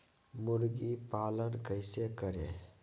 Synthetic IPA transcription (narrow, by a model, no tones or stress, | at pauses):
mʊɾɡipaːlənkəɪsekəɾḛ̃ː